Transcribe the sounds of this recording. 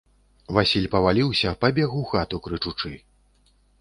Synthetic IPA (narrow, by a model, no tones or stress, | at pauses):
vasʲilʲpɐvalʲiwsʲɐpɐbʲɛɣuxat̪ukɾɨt͡ʂut͡ʂɨ